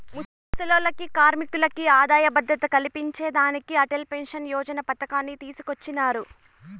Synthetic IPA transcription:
mus | ɐsɐloːlɐkikaːɾmikulɐkiaːd̪aːjɐbɐd̪ɾɐt̪ɐkɐlipiɲt͡ʃeːd̪aːnikiɐʈelpe̞nʂɐnjɔːd͡ʒɐnɐpɐt̪ɐkaːnːit̪iːsukot͡ʃːinaːɾu

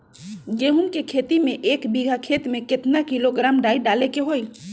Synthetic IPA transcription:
ɡeɦunkekʰet̪imeʔekbiɡʱakʰet̪meket̪nakiloɡɾamɖaiɖalekeɦoj

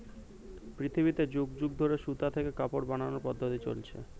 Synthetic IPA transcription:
pɾit̪ʰibit̪ed͡ʑuɡd͡ʑuɡ̚d̪ʱoɾeʃut̪at̪ʰekekapoɾbananoɾpɔd̪ʱːot̪it͡ɕo̰lt͡ɕʰḛ

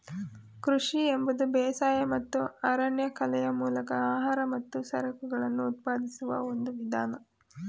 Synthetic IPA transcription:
kɾuʂiembud̪ubɛːsaːjɐmɐt̪ːuaːɾaːɳjɐkʰɐlɛjɐmuːlɐkɐaːɦaːɾɐmɐt̪ːusɐɾɐkuɡɐɭɐnːuːt̪̚paːd̪isuʋɐ̰o̞nd̪uʋid̪ʱaːnɐ

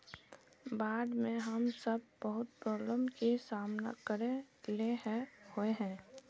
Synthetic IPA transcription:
baːd̪mẽɦəmsəb̚bəɦʊt̪̚pɾɔːbləmkisaːmna̰kəɾe | leɦɛ̃hoeɦɛ̃ː

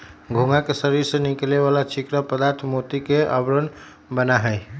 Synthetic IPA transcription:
ɡʱũŋɡakesəɾiɾsənikleβalat͡ʃʰikɾəpəd̪aɾt̪ʰmot̪ikeʔə̰bɾən | bənaɦəɪ

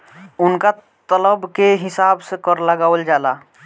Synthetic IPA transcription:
ʊnka | t̪ələbkeɦɪsaːbsekəɾləɡaːwəld͡ʒala

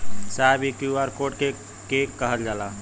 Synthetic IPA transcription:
sabikjuaɾkoʈke | kekːəɦəld͡ʒala

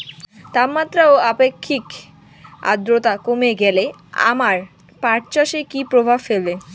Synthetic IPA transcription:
t̪abmat̪ːɾaoapekʰːik | a̰d̪ɾot̪akomeɡɛle | a̰maɾ | paʈt͡ɕaʃekipɾobʱabfelbe

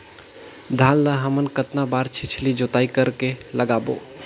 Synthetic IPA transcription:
d̪ʱãːlːəɦəmənkət̪nabaːɾt͡ʃʰɪt͡ʃʰlid͡ʒot̪aːikəɾkeləɡaːbo̰ː

